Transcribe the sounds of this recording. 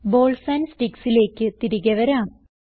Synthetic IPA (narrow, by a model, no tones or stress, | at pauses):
boːlsɐnsʈiksile̞ːkːɨt̪iɾiɣɐʋɐɾaːm